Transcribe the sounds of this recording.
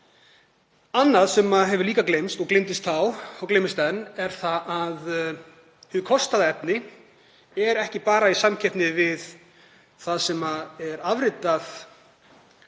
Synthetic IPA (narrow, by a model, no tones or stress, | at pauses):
anːaðsɛmaðɦɛvʏliːkaklejmst̪ɔɣklejmt̪ɪst̪ʰawawklejmɪst̪ɛnːɛɾ̥θaʔað | hʏðkʰɔst̪aðaɛpnɪ | ɛɾɛhcɪpaːɾaisamcʰɛp̪nɪvɪð | θaðsɛmaðɛɾavɾɪt̪aθ